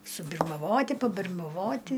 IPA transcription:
sʊbʲɪrmɐˈʋoːtʲɪ pɐbʲɪrmɐˈʋoːtʲɪ

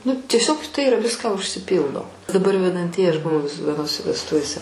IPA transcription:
nʊ tʲiɛˈsʲoːk tɐɪ ɪˈrɐ ˈʋʲɪskɑː ʊʃʲsʲɪˈpʲiːlˠdoː dɐˈbɐr ʋʲɛdɐnʲˈtʲiɛjɪ ˈɐʃ bʊˈʋɐʊ ʋʲɪs ʋʲiɛˈnoːsʲɛ ʋʲɛsˈtʊʋʲeːsʲɛ

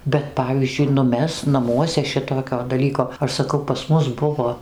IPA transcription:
bʲɛt ˈpɑːʋʲiːzʲd͡ʒʲʊɪ nʊ ˈmʲɛs nɐˈmuɔsʲɛ ˈʃʲɪtoːkʲoː dɐˈlʲiːkoː ˈɐʃ sɐˈkɐʊ pɐs ˈmʊs ˈbʊʋoː

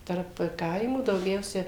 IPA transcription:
tɐrp ˈkɐɪmuː dɐʊˈɡʲɛʊsʲɛ

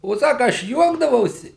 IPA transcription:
oː ˈsɑːkɐ ˈɐʃ ˈjuɔɡdɐʋɐʊsʲɪ

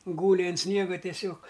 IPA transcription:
ˈɡuːlʲɪ ɐn ˈsʲnʲiɛɡɐ tʲiɛˈsʲoːk

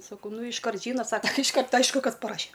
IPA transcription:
sɐˈkɐʊ ˈnʊ ɪʃˈkɐrt ˈʒʲiːnɐ ˈsɑːkɐ tɨ ɪʃˈkɐrt ˈɐɪʃkʊ ˈkɐs pɐˈrɑːʃʲɛ

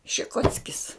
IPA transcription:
ʃʲɪˈkoːt͡sʲkʲɪs

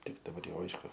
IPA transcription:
ˈtʲɪk dɐˈbɐr ˈjɛʊ ˈɐɪʃkʊ

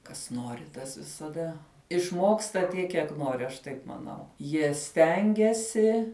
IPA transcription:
kɐs ˈnoːrʲɪ tɐs ʋʲɪsɐˈdɐ ɪʃˈmoːkstɐ ˈtʲiɛk kʲiɛk ˈnoːrʲɪ ɐʃ ˈtɐɪp mɐˈnɐʊ jiɛ ˈsʲtʲɛŋʲɡʲɛsʲɪ

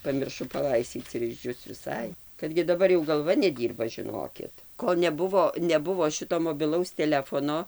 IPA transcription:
pɐmʲɪrˈʃʊ pɐˈlˠɐɪsʲtʲiːt͡s ɪr ɪʒʲˈd͡ʒʲʊs ʋʲɪˈsɐɪ kɐt ɡʲɪ dɐˈbɐr jɛʊ ɡɐlˠˈʋɐ nʲɛˈdʲiːrbɐ ʒʲɪˈnoːkʲɪt ˈkoːlˠ nʲɛˈbʊʋoː nʲɛˈbʊʋoː ˈʃʲɪtoː moːbʲɪˈlˠɐʊs tʲɛˈlʲæːfoːnoː

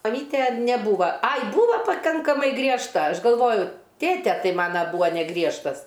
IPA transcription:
mɐˈmʲiːtʲeː nʲɛˈbuːʋɐ ˈɐɪ ˈbuːʋɐ pɐˈkɐŋkɐmɐɪ ɡrʲiɛʃˈtɐ ˈɐʃ ɡɐlˠˈʋoːjʊ ˈtʲeːtʲɛ ˈtɐɪ ˈmɑːnɐ ˈbuːʋɐ nʲɛˈɡrʲiɛʃtɐs

